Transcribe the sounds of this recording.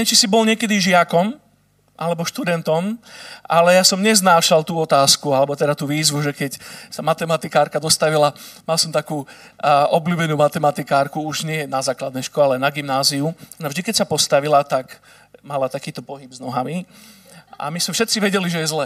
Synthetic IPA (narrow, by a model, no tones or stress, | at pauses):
ɛt͡ʃisibɔlɲɪɛkɛd̪iʒɪakɔm | ʔa̰lɛbɔʃt̪ud̪ɛnt̪ɔmʔalɛjasɔmɲɛznaːʃalt̪uːɔt̪aːskualɛbɔt̪ɛd̪at̪uːʋiːzʋuʒɛkɛcsamat̪ɛmat̪ikaːɾkad̪ɔst̪aʋilamalsɔmt̪akuː | ʔɔbluːbɛnuːmat̪ɛmat̪ikaːɾkuuʒɲɪɛjɛnazaːklad̪nɛʃkɔalɛnaɡimnaːziunavʒd̪ikɛcsapɔst̪aʋilat̪ak | malat̪akiːt̪ɔpɔɦibznɔɦami | a̰mismɛfʃɛt̪t͡siʋɛɟɛliʒɛjɛzlɛː